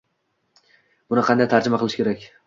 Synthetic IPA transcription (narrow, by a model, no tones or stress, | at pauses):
b̥ʊnɪqʰɑnd̪ajt̪ʰaɾd͡ʒɪmaqʰɨlˠɪʃkʲe̞ɾakʲ